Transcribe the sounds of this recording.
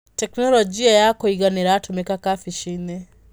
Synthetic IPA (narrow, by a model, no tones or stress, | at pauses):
tɛknɔlɔd͡ʒiajakoiɣanɛɾatumɛkakafiʃinɛ